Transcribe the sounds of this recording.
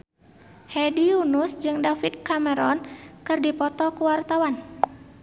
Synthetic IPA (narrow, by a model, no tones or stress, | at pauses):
hɛdiunusd͡ʒɨŋdafit̪̚kamɛɾɔnkɨrdipɔt̪ɔkuwart̪awan